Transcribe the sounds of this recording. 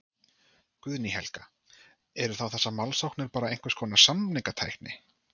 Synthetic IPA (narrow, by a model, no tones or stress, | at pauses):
kʏðniɦɛ̰lka | ɛɾʏɾ̥θawθɛsːamalsawknɪɾ̥paːɾaejn̥kvɛ̥ɾskʰɔːnasamniŋkat̪ʰa̰jknɪ̰